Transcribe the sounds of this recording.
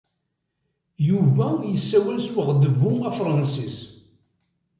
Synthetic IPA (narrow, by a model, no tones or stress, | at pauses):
juvæjəsːæwælswəʁd̪əvuæfɾˤɑnsis